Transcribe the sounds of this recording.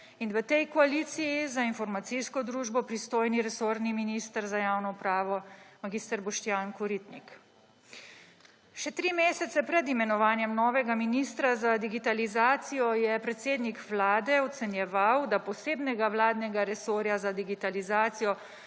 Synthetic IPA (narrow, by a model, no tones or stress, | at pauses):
inʋət̪ɛjkɔaliːt̪sijizainfɔɾmat̪siskɔd̪ɾuːʒbɔpɾist̪oːjniɾɛsoːɾniminist̪əɾzajaːwnɔupɾaːʋɔmaɡist̪əɾbɔʃt̪jaːnkɔɾit̪nik | ʃɛt̪ɾimeːsɛt̪sɛpɾɛd̪imɛnɔʋaːnjɛmnɔːʋɛɡaminist̪ɾazad̪iɡit̪alizaːt̪sijɔjɛpɾɛt̪seːd̪nikʋlaːd̪ɛɔt̪sɛnjɛʋawd̪apɔseːbnɛɡaʋlaːd̪nɛɡaɾɛsoːɾjazad̪iɡit̪alizaːt̪sijɔ